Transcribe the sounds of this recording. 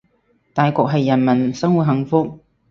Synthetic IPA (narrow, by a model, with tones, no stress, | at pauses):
t̪aː˨˧jkɔː˧k̚ɦɐ˨jːɐ˨˩nmɐ˨˩nsɐ˥ŋwu˨t̚ɦɐ˨˥ŋfʊ˥k̚